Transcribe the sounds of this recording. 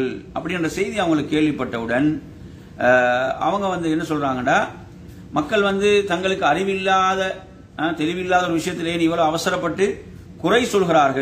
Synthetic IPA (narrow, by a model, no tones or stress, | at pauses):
ɭʔɐpːɐɽɪɪndrɐsɛjðiɐʋɐŋɡɐɭɯkːɯkːeːɭʋɪpːɐʈːɐʋɯɽɐn | ɐ̰ʋɐŋɡɐʋɐnd̪ɯɛnːɐsɔlɣɾaːŋɡɐɳɖaː | mɐkːɐɭʋɐnd̪ɯt̪ɐŋɡɐɭɯkːɯɐrɪʋɪlːaːðɐ | t̪ɛɾɪʋɪlːaːðɐɔɾɯʋɪʂɐjɐt̪ːɪleːnɪʋːɐɭoːɐʋɐsɐɾɐpːɐʈːɯ | kʊrɐɪsɔlɣɪɾaːɾɣɐɭ